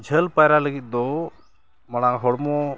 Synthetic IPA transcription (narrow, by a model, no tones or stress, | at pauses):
d͡ʒʱəlpajɾaləɡit̪̚ˀd̪ɔ | mɐñãɦɔɽmɔ